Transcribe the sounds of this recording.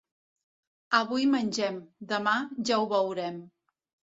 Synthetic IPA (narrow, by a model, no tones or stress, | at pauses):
əβ̞ujmənʲʒɛmd̪əmaʒauβəwɾɛm